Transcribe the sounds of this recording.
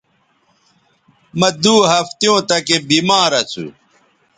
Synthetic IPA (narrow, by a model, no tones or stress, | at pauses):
mɐd̪uːɦɐft̪jõːt̪ɐkebiːmaːɾɐt͡sʰṵ